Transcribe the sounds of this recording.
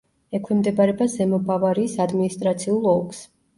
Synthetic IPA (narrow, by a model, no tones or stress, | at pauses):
ɛkʰwimd̪ɛbaɾɛbazɛmɔbavaɾiːsad̪minist̪ʼɾat̪sʰiulˠɔks